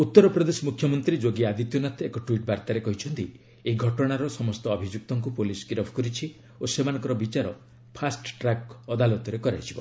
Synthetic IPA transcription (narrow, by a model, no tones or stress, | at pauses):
ut̪ːɔɾɔpɾɔd̪esɔmukʰjɔmɔnt̪ɾid͡ʒoɡiad̪it̪jɔnat̪ʰekɔʈuiʈ̚baɾt̪aɾekɔɦit͡ʃʰɔnt̪i | eiɡʱɔʈɔɽ̃aɾɔsɔmɔst̪ɔːbʱid͡ʒuk̚t̪ɔŋkupuliskiɾɔpʰɔkɔɾit͡ʃʰi | osemanɔ̃ŋkɔɾɔbit͡ʃaɾɔ | pʰasʈʈɾakɔd̪alɔt̪ɔɾekɔɾait͡ʃʰibɔ